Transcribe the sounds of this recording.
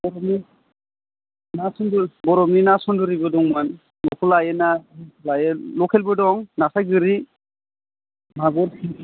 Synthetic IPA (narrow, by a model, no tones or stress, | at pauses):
bɔɾɔni | nasɔndubɔɾɔmninasɔndɯɾibɯdɔŋman | lɔkʰulajenalajelɔkʰɛlbɯdɔŋnasajɡɯɾi | maɡɔɾkʰi